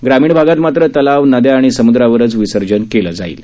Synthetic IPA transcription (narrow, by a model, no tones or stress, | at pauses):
ɡɾamiːɳbʱaɡat̪mat̪ɾət̪əlaʋnəd̪jaːɽ̃isəmud̪ɾaʋəɾət͡sʋisəɾd͡ʑənkeləd͡zaḭːl